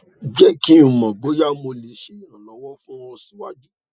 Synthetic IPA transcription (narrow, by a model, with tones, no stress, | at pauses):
d͡ʒɛ˦ki˦ũ˨mã˨ɡ͡bo˨˦ja˦mo˧le˨˦ʃe˦i˦˨ɾ̃ã˨lɔ˨˦wɔ̃˦fũ˦ɔ˧sĩ˦wa˦d͡ʒu˦